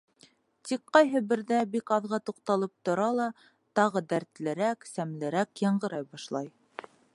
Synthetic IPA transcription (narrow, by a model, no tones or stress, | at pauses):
t̪ikqɑjɦɤbɘ̆ɾðæbikɑðʁɑt̪uqt̪ɑlˠɤp̚t̪ŏɾɑlˠɑ | t̪ɑʁɤd̪æɾt̪lɘ̆ɾæksæmlɘ̆ɾækjɑɴɢɤ̆ɾɑjbɑʃlˠɑj